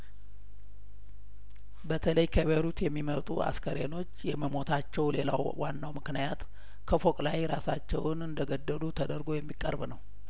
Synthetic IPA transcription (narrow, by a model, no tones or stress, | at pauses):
bət̪ʰələjkʰəβəɾut̪jɛmːimət̪ʼua̰skʰəɾano̞t͡ʃːjɛməmo̞t̪ʰat͡ʃːɛwle̞la̰wwanːawmɨknijat̪ | kʰəfo̞kʼlajɾasat͡ʃːɛ̰wnɨnd̪əɡəd̪ːəlut̪ʰəd̪əɾɡo̞jɛmːikʼːə̰ɾbnəw